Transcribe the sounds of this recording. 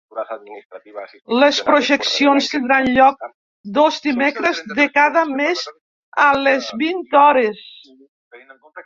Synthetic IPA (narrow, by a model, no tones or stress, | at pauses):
lespɾoʒeksionst̪ind̪ɾanʎɔk̚ | d̪ozd̪imekɾezðekaðəmez | alezβint̪ɔɾes